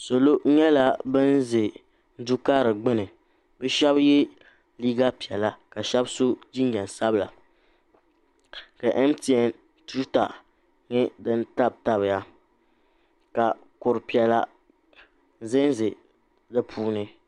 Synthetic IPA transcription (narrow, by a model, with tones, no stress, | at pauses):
so˨lo˦ɲɛ˦la˦bɨ˦n˦ze˨ | n̩˦du˦kaː˦ɾɨ˨ɡ͡bɨ˦nɨ˨ | bɨ˦ʃɛ˦bjɛ˦ | liː˦ɡa˦pi˨ɛ˨la˦ka˨ʃɛ˦bso˦d͡ʒi˦ɲ˦ɲɛ˨n˨sa˦bla̰˨ | ka˨ʔɛ˦m˦ti˨ɛ˨n | tu˦ɾta̰˨ | ɲɛ˦dɨ˦nta˦b̚ta˦bɨ˨ja˦ | ka˨ | kʊ˨ɾpi˨ɛ˨la˦ | zɪ˦n˦zɨ˨ | dɨ˦pʰuː˦nɨ˦